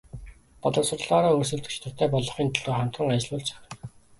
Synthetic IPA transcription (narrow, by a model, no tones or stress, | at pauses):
pɔɮɞ̆sʊ̆rɮɔːɾɔːɵs̬ɵ̆ɮt̪t͡ɕt̪ɘ̆rt̪ʰæːpɔɮɞ̆χiːnt̪ʰɮoːχam̥t̪rə̆ŋajt͡ɕɮʊːɮt͡ɕʰḁχə̆